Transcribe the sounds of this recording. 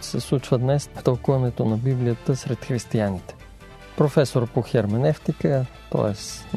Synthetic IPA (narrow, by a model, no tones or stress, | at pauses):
sɛslˠut͡ʃvəd̪nɛst̪ɐlˠkuvɐnɛt̪onɐbiblijət̪əsɾɛt̪xɾist̪ianit̪ɛ̥ | pɾofɛsoɾpoxɛɾmɛnɛft̪ikət̪ɔ̰ɛs